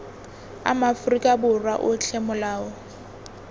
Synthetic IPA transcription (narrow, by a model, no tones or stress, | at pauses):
a̰mafrikʼabʊrwaʔʊɬʰemʊlaːɔ